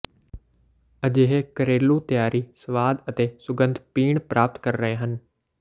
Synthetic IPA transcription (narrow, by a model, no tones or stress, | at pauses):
əd͡ʒeːɦekəɾeːlut̪əjaːɾʔisəʋaːd̪ət̪eːsʊɡə̃nd̪ʱpiːɳ̃pɾaːp̚t̪kəɾɾəɦẽɦən